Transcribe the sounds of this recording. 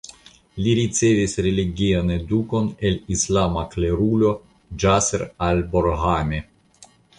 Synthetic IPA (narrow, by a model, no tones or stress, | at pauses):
liɾit͡se̞visɾeliɡiane̞duko̞ne̞lislamakle̞ɾulo̞ | d͡ʒaseɾalboɾhane